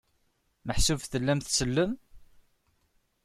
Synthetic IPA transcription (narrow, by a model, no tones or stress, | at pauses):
məħsuvθəlːæmθsəlːəm